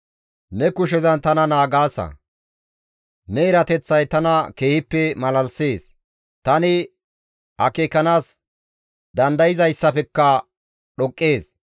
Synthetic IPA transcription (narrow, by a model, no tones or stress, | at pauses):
nɛkʊʃ̬ɛzɐnt̪ɐnɐnaːɡaːsɐ̰ | nɛɪɾɐt̪ɛt͡sːɐjt̪ɐnɐke̞ːhɪpːɛmɐlɐlseːs | t̪ɐnɪ | hɐkeːkːɐnaːs | d̪ɐnd̪ɐjɪzɐjsːɐpɛkːɐ | ɗɔkʼːeːs